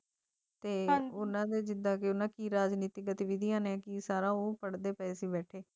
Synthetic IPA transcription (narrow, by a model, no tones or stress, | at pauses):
t̪eːʊnãːd̪eːd͡ʒɪd̪ãːkeʊnãːkiːɾaːd͡ʒniːt̪iɡət̪iːʋid̪ijãːnɛ̃ːkiːsaːɾãːoːpəɽd̪eːpɛːsiːbɛːʈʰeː